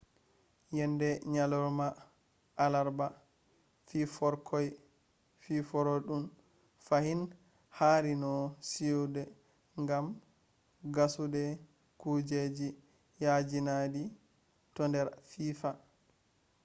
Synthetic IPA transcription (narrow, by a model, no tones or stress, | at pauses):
jɛndɛɲalɔɾmaː | laɾba | fifɔɾkʰɔj | fifɔɾɔɗun | fahin | haɾinɔsidɛ | ŋɡam | ɡasudɛ | kud͡ʒed͡ʒi | jad͡ʒinadi | tɔndɛɾfiːfa